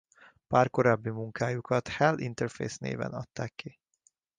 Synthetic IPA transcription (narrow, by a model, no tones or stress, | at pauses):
paːrko̞ɾaːbːimuŋkaːjukɒt̪hɛlḭnt̪ɛrfḛːsnḛːvɛ̰nɒt̪ːaːkːi